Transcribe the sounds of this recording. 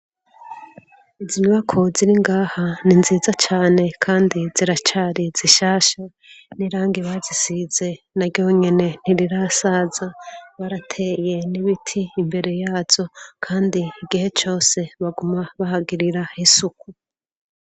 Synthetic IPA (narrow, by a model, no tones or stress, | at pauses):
iziɲwakʰoziɾiŋɡaːhaninziːzat͡ʃaːne̞kʰaːndiziɾat͡ʃaːɾiz̥iʃaːʃa | niɾaːŋɡiβazisize̞ | naɾɟoɲene̞n̥iɾiɾasaːzaβaɾatʰe̞ːje̞niβitʰiːmbe̞ɾe̞jaːz̥o̞kʰaːndiːɡihe̞t͡ʃo̞ːse̞βaɡumaβahaɡiɾiɾahisuku